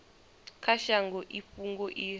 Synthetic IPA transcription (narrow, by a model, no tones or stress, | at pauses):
kʰaʃaŋɡɔʔiɸuŋɡɔʔi